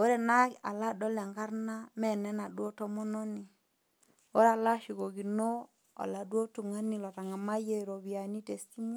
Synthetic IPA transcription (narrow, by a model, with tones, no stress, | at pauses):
o˦ɾe˨na˦ka˨la˦dɔ˦lɛ˨ŋɡa˦ɾna˦mɛ˦˨nɛ˦na˨dwo˦to˦mɔ˦no˦ni˨ | o˦ɾa˨la˦ʃi˨ko˨ɡi˨no˦ | a̰˨la˨dwo˦tu˨ŋa˦ni˨lɔ˨ta˨ŋa˨ma˦je˦˨ɾo˨βi˨a˨ni˦te˨si˦m˦